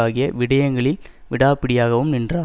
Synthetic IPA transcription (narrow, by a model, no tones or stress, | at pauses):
aːɣɪjɐʋɪɽɐjɐŋɡɐɭɪl | ʋɪɽaːpːɪɽɪjaːɣɐʋɯmnɪndraː